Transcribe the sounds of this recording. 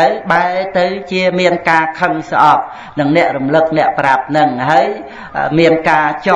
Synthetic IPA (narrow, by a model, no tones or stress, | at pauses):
ɨwɓaɛlt̪ɨwt͡ɕiəmiənkaːkʰəŋsʔɑp̚ | nɨŋnɛ̆əʔrumlɨk̚nɛ̆əʔprap̚nɨŋɦaəj | miənkaːt͡ɕ